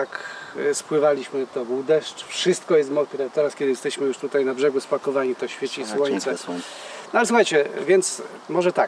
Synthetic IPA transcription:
akspwɘvalʲiɕmɘt̪ɔbuwd̪ɛʂt͡ʂfʂɘst̪kɔjɛst̪mɔpʲiɾat̪ɛɾaskʲɛd̪ɘjɛst̪ɛɕmɘjuʂt̪ut̪ajnabʐɛɡuspakɔvaɲit̪ɔɕfʲjet͡ɕiswɔɲt̪sɛ | nɔalɛswuxajt͡ɕɛvʲjɛnt̪s | mɔʐɛt̪a

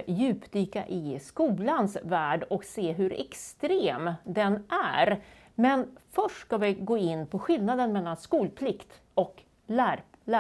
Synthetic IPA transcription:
jʉ̟ːpd̪yːka̰ʔɪskuːlansvæːɖɔkseːɦɵɾɛ̰kst̪ɾeːmd̪ɛnʔæɾ | mɛnfœʂʈskavɪɡoːɪnːpʰɔɧɪlnad̪ənmɛlːanskuːlpʰlɪkt̪ | ɔk | læɾlæ

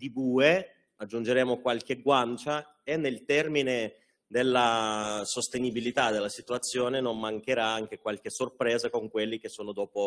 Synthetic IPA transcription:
d̪̥ibuːe | ad͡ʒːund͡ʒeɾɛːmokwalk̟eɡwant͡ʃa | enːelt̪ɛrmine | d̪elːasost̪enibilit̪ad̪elːasit̪uat̪sːjoːnenommaŋk̟eɾaaŋk̟ekwalk̟esorpɾɛːzakoŋkwelːik̟esːoːnod̪ɔːpo

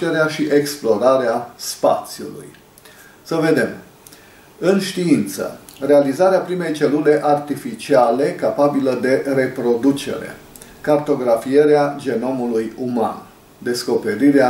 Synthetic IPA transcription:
eɾeaʃiʔe̞ksplo̞ɾaɾeaspa̰t̪sjṵlṵj | səve̞d̪e̞m | ɨnʃt̪iint̪sə̰ | realizaɾeapɾime̞jt͡ʃe̞lule̞ʔart̪ifit͡ʃiale̞kapabiləd̪e̞ɾe̞pɾo̞d̪ut͡ʃe̞̰ɾḛ | kart̪o̞ɡɾafieɾead͡ʒe̞no̞mulujuma̰n | d̪e̞sko̞pe̞ɾiɾea

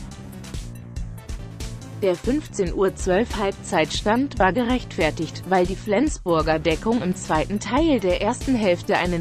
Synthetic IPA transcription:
d̥eːɐfʏnft͡seːnʔuːɐt͡sv̥œlfhalp̚t͡saɪtʃtantv̥aːɐɡəʁɛçtfɛɐtɪçtv̥aɪldiːflɛnt͡sb̥ʊɐɡɐdɛkʊŋɪmt͡sv̥aɪtn̩tʰaɪldeːɐʔeːɐstn̩ɦɛlftəʔa̰ɪnə

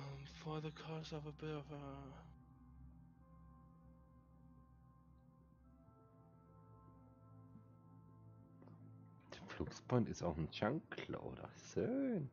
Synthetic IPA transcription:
mfɔðəkʰɔsɔvəbɪtɔvə | d̥əflʊksb̥antɪstaʊxn̩ʃaŋkʰlə̰ʔo̰ːdɐ̰søːn

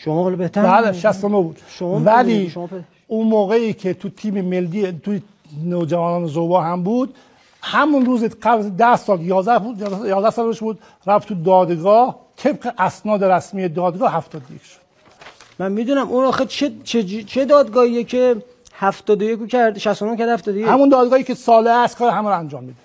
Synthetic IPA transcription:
ʃomɔɒlbeh̪æbæleʃæst̪onobuːd̪ʃomvæliːʃ | unmoːɣeiːkʰet̪ʰut̪ʰiːmemelːiːt̪ʰuje | noːd͡ʒævɒːnɒːnezobɒːɦæmbuːd̪̥ | hæmunruːzeqæbld̪æhsɒːljɒːzd̪æhbuːd̪jjɒːzdæhsɒːleʃbuːd̪ | ɾæft̪ʰud̪ɒːd̪ɡɒːht̪ʰebɢeʔæsnɒːd̪eɾæsmiːjed̪ɒːd̪ɡɒːhæft̪ɒːd̪ojekʰʃo̥d̪̥ | mænmid̪unæmunɒːxet͡ʃʰet͡ʃʰed͡ʒt͡ʃʰed̪ɒːd̪ɡɒːhijecʰe | hæft̪ɒːd̪ojekucʰæɾd̪ʃæst̪onomkʰæɾd̪hæft̪ɒːd̪ojehæmund̪ɒːd̪ɡɒːhiːcʰesɒːleæst̪kʰɒːɾehæmæɾoænd͡ʒɒːmːiːd̪e

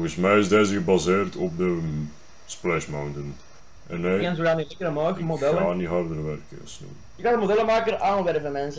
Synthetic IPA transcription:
ɔrɣəsmɛjɪzdezəɣəbɑzeːrtɔp̚də | splɛʃmawntən | ʔɛnːeːɛnzoɣaniɪkəɾəmɑːkmokdɛlːaːniɦɑrdərʋɛrkə̰snṵ | jəkɑndəmodɛləmaːkəɾʔaːnʋɛrvəmɛnsə

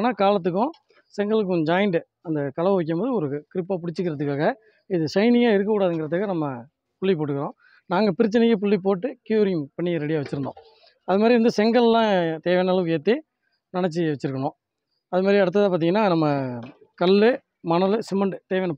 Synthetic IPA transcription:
nːaːkaːlɐt̪ːɯkːʊ̃ | sɛŋɡɐɭɯk̬ːʊ̃d͡ʒaːjɪɳɖɯ | ɐnd̪ɐkɐlɐʋɐʋɛk̬ːɐmboːðɯɔɾɯkɪɾɪpːaːpʊɽɪt͡ʃːɯk̬ːɪɾɐðɯkːaːɣɐ | ɪðɯsɐɪnɪjaːɪɾɯkːɐkːuːɽaːðɯŋɡɪɾɐt̪ːɯkɐnɐmːɐ | pʊɭːip̬oːʈːɯkːɪɾõː | naːŋɡɐpɪɾɪt͡ʃːɐnɐjːɯp̬ʊɭːip̬oːʈːɯkjuːɾɪjmpɐɳːɪɾɛɽɪjaːʋɐt͡ʃːɪɾɯnd̪õ̰ː | ɐðɯmaːd̪ɾiʋɐnd̪ɯsɛŋɡɐɭlãːt̪eːʋɐnɐlɐʋɯkːɯeːt̪ːi | nɐɳɛt͡ʃːiʋɛt͡ʃːɯɾɯkːɐɳõː | ɐðɯmaːd̪ɾiɐɽɯt̪ːɐðaːpaːɾt̪iːŋɡɐnːaːnɐmːɐ | kɐlːɯ | mɐnɐlɯsɪmɐɳɖɯt̪eːʋɐnɐ

